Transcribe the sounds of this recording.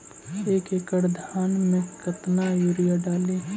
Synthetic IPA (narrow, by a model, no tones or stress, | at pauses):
eːkekəɽd̪ʱaːnmẽkət̪najuɾijaɖaːle